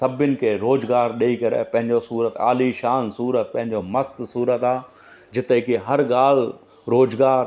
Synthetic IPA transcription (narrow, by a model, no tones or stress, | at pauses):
səbɪnkeɾoːd͡ʒɡaːɾɗeikəɾḛːpɐ̃ɦɪ̃ɲd͡ʒosuːɾət̪a̰ːliʃaːnsuːɾət̪̚pə̃ɦɪ̃ɲd͡ʒoməst̪suːɾət̪aː | d͡ʒɪt̪ekiɦɐɾɡaːl | ɾoːd͡ʒɡaːɾ